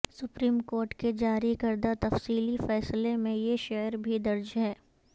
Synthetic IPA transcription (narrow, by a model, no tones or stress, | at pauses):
sʊpɾiːmkoːɾʈked͡ʒaːɾikɐɾd̪at̪ɐfsiːlifɛːslemẽjeʃɛːəɾbʱid̪ɐɾd͡ʒɦɛː